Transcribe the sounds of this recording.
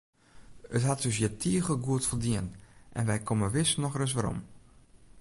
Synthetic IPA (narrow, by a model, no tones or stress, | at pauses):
ətɦatøsjətʰiəɣəlˠɡuətfəldiənʔɛ̰nʋɛjkʰoməʋɪsnɔxrøs̬ʋaɾɔ̰m